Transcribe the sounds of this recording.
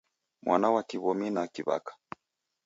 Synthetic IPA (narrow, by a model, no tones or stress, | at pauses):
mwʔa̰nawakiβɔminakiβa̰kḁ